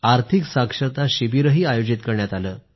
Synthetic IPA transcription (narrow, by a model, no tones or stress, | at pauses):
aɾt̪ʰiksakʂəɾt̪aɕibiɾəɦiːajod͡ʑit̪kəɾɳjat̪aləː